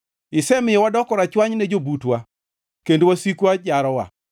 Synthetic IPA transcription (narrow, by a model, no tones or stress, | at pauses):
ɪsɛmɪjɔwadɔkɔɾat͡ʃwaɲnɛd͡ʒobutwa | kendowasikwad͡ʒaɾɔwa̰